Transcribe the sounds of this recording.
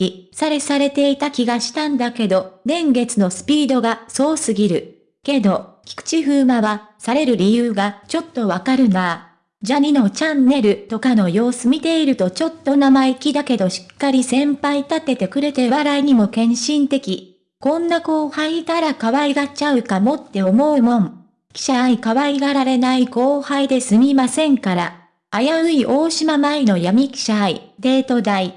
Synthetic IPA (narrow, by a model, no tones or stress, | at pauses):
isaɾe̞saɾe̞t̪e̞it̪akʲiɡaɕi̥t̪ãnd̪ake̞d̪o̞nẽ̞ŋɡe̞t͡sɨno̞sɨ̥pʲiːd̪o̞ɡaso̞ːsɨɡʲiɾɯ̟ | ke̞d̪o̞ | kʲi̥kɯ̥t͡ɕiɸɯ̟ːmaβasaɾe̞ɾɯ̟ɾʲijɯːɡat͡ɕo̞t̪ːo̞βakaɾɯ̟na | d͡ʑaɲ̟ino̞t͡ɕãnːe̞ɾɯ̟t̪o̞kano̞jo̞ːsɨmʲit̪e̞iɾɯ̟t̪o̞t͡ɕo̞t̪ːo̞namaikʲid̪ake̞d̪o̞ɕi̥kːaɾʲisẽ̞mpait̪at̪ːe̞t̪e̞kɯ̟ɾe̞t̪e̞βaɾaiɲ̟imo̞kẽ̞ɰ̃ɕĩnt̪e̞kʲi | kõ̞nːako̞ːhait̪aɾakaβaiɡat͡ɕaɯ̟kamo̞t̪ːe̞o̞mo̞ɯ̟mõ̞m | kʲi̥ɕaikaβaiɡaɾaɾe̞naiko̞ːhaid̪e̞sɨmʲimasẽ̞ŋkaɾaː | jaɯ̟iʔo̞ːɕimamaino̞jamʲikʲi̥ɕaid̪e̞ːt̪o̞d̪ai